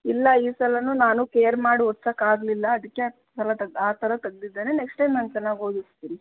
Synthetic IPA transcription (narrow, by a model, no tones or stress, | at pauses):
ilːɐiːsɐlɐnunaːnukeːjɐɾmaːɽiɦɔt̪ːsakaːɡlilːɐːd̪ikːe | sɐlɐt̪ɐɡ̪aːt̪ʰɐɾɐt̪ɐɡd̪id̪ːeːnene̞ksʈenɐnt͡ʃɛnːaːɡoːd̪ist̪iːni